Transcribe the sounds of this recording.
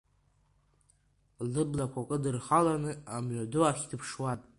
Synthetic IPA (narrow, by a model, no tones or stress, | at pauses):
lɨblakʷʰakʼɨdɨrχalanɨamʕʷaduaχʲdɨpʰʂwatʼ